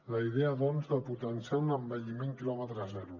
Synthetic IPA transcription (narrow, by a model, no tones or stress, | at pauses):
ləiðeəðɔnzðəput̪ənsjanəmbəʎimeŋkilɔmət̪ɾzɛɾu